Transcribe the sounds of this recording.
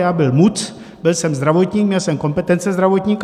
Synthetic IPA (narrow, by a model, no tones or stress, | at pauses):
jaːbɪlmut̪ | bɪlsɛmzd̪ɾavot̪ɲiːk̚mɲɛlsɛmko̞mpɛt̪ɛnt͡sɛzd̪ɾavot̪ɲiːk